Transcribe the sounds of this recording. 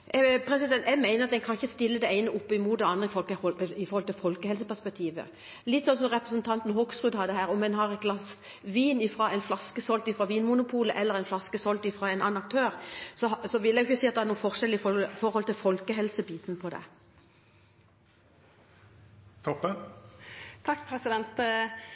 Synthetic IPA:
pʰɾɛsɪd̪ɛnt̪ɛmːæɪəʁɑt̪̚d̪ɛnkʰɑnɪçəst̪ɪlːəd̪ɛæɪnəʔʊpːəɪmuːt̪̚d̪ɛɑnd̪ʁəɪfɔɾhɔlt̪ɪlfɔlkəɛls̬əpæspɛk̚t̪ʰiːʋə̰ | lɪt̪ːsɔnsɔmʁɛpʁəsənt̪ʰɑnt̪n̩ɦoksʁʉd̪hɑd̪əɦæːʁɔmːɛnhɑʁɛt̪̚ɡlɑs | ʋiːnɪfʁɑːɛɪnflɑskəsɔlt̪ɪfʁɑːʋiːnmʊnʊpʰuːləʔɛlːəʁɛɪnflɑskəsɔlt̪ɪfʁɑːɛɪnɑ̰ːnɑk̚t̪ʰøːʁsɔsɔʋɪljɛɪɡjʏçːəsiːɑt̪d̪ɛhæɾnuːəfɔʁʂɛlːəɪfɔʁhɔlt̪ɪlfɔlkəɦɛlsəbiːt̪npʰɔd̪ɛ̰ | t̪ʰɔpːə | t̪ʰɑkːpʰɾɛsɪd̪ɛnt̪

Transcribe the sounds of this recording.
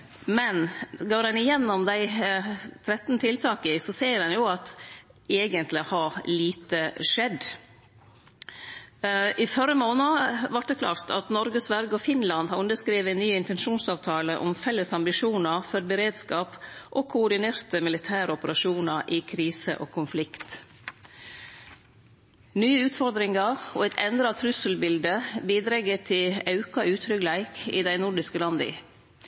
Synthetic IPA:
mɛnɡoːɾɛnɪjɛnːɔmd̪æɪ | t̪ʰɾɛt̪nt̪ʰɪlt̪ʰɑːkɪsɔseːɾɛnjʊɑt̪eːɡənt̪lɪhɑɾliːt̪əʂɛd̪ | ʔɪfœɾəmoːnɑʋɑʈ̚d̪ɛkʰlɑ̰ːɾt̪ʰɑ̰t̪nɔɾɡəsʋæɾɡəɔfɪnlɑnd̪hɑɾʉnd̪əskɾiːʋənːyːɪnt̪ɛnʂuːnsɑːʋt̪ʰɑːləʔɔ̰mfɛlːəsɑmbɪʂuːnɑfɔɾbəɾeːd̪skɑːpʔoːkʰʊʊɖɪneːɾt̪əmɪlɪt̪ʰæːɾəɔpəɾɑʂuːnɑɾʔɪkʰɾiːsə̰ʔo̰ːkʰʊnflɪkt̪ | nyːəʉːt̪fɔɾd̪ɾɪŋɑɾo̰ːɛt̪ʰɛnd̪ɾɑt̪ʰɾʉsəlbɪld̪əbiːd̪ɾɛɡːət̪ʰɪlɑʉkɑʔʉːt̪ʰɾʏɡlæɪkɪ̰ːd̪æɪnʊɖɪskəlɑnd̪əɪ̰

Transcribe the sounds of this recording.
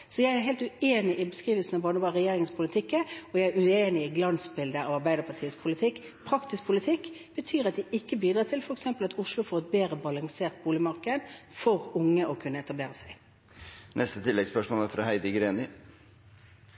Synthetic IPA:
sɔjæɪæɾɦeɪlt̪ʉeːnɪʔɪbəskʁiːʋəlsən̩ɑʋbɑːnəbɑːʁɛjeːɾɪŋəspʰʊlɪt̪ʰɪkːəɔjæɪæɾʉeːnɪɪɡlɑnsbɪld̪əɑʋɑɾbæɪd̪əɾpʰɑʈʰiːəspʰʊlɪt̪ʰɪkː | pʰɾɑksɪspʰʊlɪt̪ʰɪkːb̥ət̪ʰyːɾɑt̪̚d̪ɪʔɪkːəbiːd̪ʁɑːt̪ʰɪlfɔɾɛksɛmpəlɑt̪ʊʂlʊfɔɾɛt̪̚beːɾəbɑlɑŋseːʁt̪̚buːlɪmɑʁkəənfɔʁʊŋːəʔɔkʰʉnːəɛt̪ɑbleːɾəsæɪ | nʔɛst̪ət̪ʰɪlːɛɡspœʂmoːlæɾfɾɑhæɪd̪əɡɾeːnɪ

